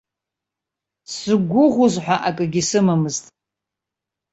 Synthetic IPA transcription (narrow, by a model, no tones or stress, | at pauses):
sɨɡʷʊʁʷʊzħʷᶣaʔakʼɨɡʲisɨmamɨztʼ